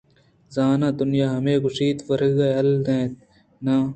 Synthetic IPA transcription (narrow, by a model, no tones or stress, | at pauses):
zaːnãːd̪ʊnjaːɦɐmẽːɡʊsiːt̪fɐɾɡaɐldẽːt̪̚ | naː